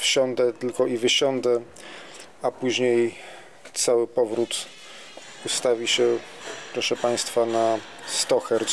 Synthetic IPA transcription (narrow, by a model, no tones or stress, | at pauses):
fɕɔnd̪ɛt̪ɘlkɔivɘɕɔnd̪ɛ | apuʑɲej | t̪sawɘpɔvɾut̪ | ust̪avʲiɕɛ | pɾɔʂɛpaj̃st̪fana | st̪ɔxɛɾ